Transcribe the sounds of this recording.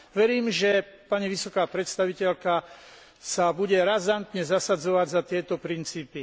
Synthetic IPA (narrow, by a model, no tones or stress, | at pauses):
ʋɛɾiːmʒɛpaɲiʋisɔkaːpɾɛt̪st̪aʋicɛʎka | sabuɟɛɾazant̪ɲɛzasad͡zɔʋaɟzat̪ɪɛt̪ɔpɾint͡siːpi